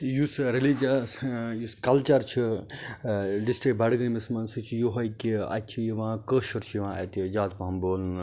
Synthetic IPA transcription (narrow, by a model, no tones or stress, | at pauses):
jusɾilid͡ʒɐsjuskɐlt͡ʃɐɾt͡ʃʰi | ɖisʈɾik̚bɐɽɡənmismɐnsɨt͡ʃʰijoɦɐjkiɐ̰tt͡ʃʰijiʋãːkəːʃuɾt͡ʃʰjiʋãːɐ̰t̪d͡ʒaːt̪pɐɦɐmboːln